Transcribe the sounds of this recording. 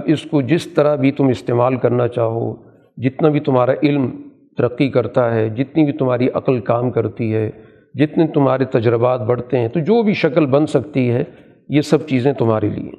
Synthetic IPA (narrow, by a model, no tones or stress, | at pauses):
bɪskod͡ʒɪst̪ɐɾabʱit̪ʊmɪst̪eːmaːlkɐɾnat͡ʃaːɦo̰ː | d͡ʒɪt̪nabʱit̪ʊmɦaːɾaʔɪlm | t̪ɐɾɐqːikɐɾt̪aɦɛd͡ʒɪt̪nibʱit̪ʊm̤ɦaːɾiʔɐ̰qəlkaːmkɐɾt̪iɦɛː | d͡ʒɪt̪nẽt̪ʊmɦaːɾet̪ɐd͡ʒɾɪbaːt̪̚bɐɽ̤t̪eɦɛ̃ːt̪od͡ʒoːbʱiʃɐkəlbɐ̃nsɐkt̪iɦɛ | jesɐb̚t͡ʃiːzẽt̪ʊmɦaːɾḛlḭḛ